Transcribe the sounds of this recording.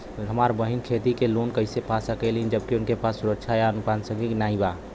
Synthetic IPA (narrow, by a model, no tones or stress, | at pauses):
ɦəmaɾbəɦinkʰet̪ikelonkəɪsepasəkɛlind͡ʒəbkiʊnkepasːuɾəkʃʰajaənukaːnsə̃ŋɡiknaĩba